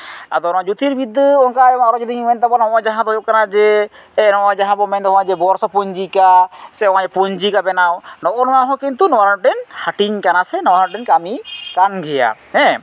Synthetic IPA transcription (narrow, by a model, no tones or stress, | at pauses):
a̰d̪ɔnɔ̃ad͡ʒut̪iɾbid̪ːəɔŋkaɔãɾɔd͡ʒɔd̪iŋmɛnt̪abɔnɔɔ̃d͡ʒaɦãd̪ɔjɔp̚kanad͡ʒɛ | ɛnɔʔɔ̃d͡ʒaɦãbɔmɛnd̪ɔɦɔ̃ad͡ʒɛbɔɾsɔpuɲd͡ʒikasɛɔwaɲɛpɔɲd͡ʒikabɛnawnɔʔɔnɔaɦɔ̃kint̪unɔaɾanʈɛnhaʈiɲkanasɛnɔwaɾaʈɛnkamikanɡʱɛja̰hɛ̃